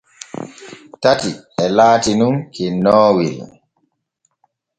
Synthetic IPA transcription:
tatiɛlaːtinunkʰɛnɔːwil

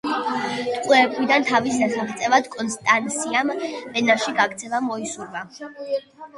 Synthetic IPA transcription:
t̪ʼkʼwɛpʼlid̪ant̪ʰavisasaχt̪sʼɛvad̪kʼɔnst̪ʼant̪siambɛnaʃiɡaɡt̪sʰɛvamɔisuɾva

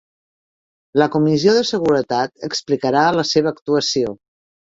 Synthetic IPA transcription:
ləkumizioðəsəɣuɾət̪at̪əksplikəɾaələseβ̞əːkt̪uəsio

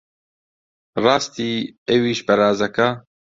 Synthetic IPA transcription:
rɑːst̪iːɛwiːʃpɛɾaːzɐka

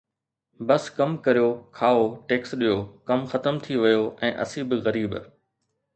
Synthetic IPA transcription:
bɐskɐmkɐɾijokʰaːoʈeːksɗijokɐmxɐt̪əmt̪ʰiʋɪjoʔɛ̃ːʔɐ̰sibɪɣɐɾiːb

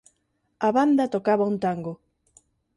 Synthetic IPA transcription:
aβand̪at̪okaβaunt̪aŋɡo

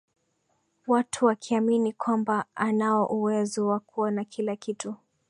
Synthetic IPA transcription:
watʰuwakʰiaminikwambaanaɔʔuwɛzɔwakuɔnakʰilakitu

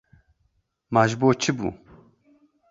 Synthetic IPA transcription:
maʒboːt͡ʃʰɨbṵː

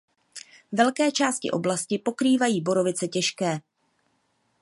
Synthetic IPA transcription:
vɛlkɛːt͡ʃaːscɪ̰ʔo̞̰blascɪpo̞kɾiːvajiːbo̞ɾo̞vɪt͡sɛcɛʃkɛː

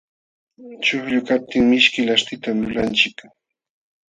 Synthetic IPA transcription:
t͡ʃʊhʎʊkap̚t̪ɪŋmɪʃkɪlast̪ɪt̪amlʊlant͡ʃɪk

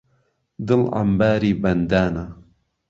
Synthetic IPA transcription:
d̪ɨlʔa̰mbaːɾiːbɐnd̪aːna

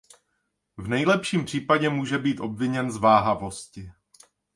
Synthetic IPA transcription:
vnɛjlɛpʃiːmpr̥iːpaɟɛmuːʒɛbiːt̪ʔo̞bvɪɲɛnzvaːɦavo̞scɪ

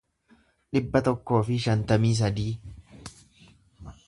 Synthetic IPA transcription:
ᶑɪbːɐt̪ɔkːo̞ːfɪʃɐnt̪ɐmiːs̬ɐd̪iː

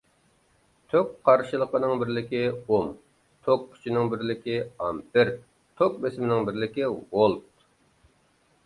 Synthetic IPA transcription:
t̪ʰøkqʰɑɾʃɨlˠəqənɨŋbɪɾlɪkʲɪom | t̪ʰokkʲʰːy̥t͡ʃʰinɪŋbɪɾlɪkʲiɑmpɪɾ | t̪ʰok̚besmɪnɪŋbɪɾlɪkʲiwolˠt̪̚

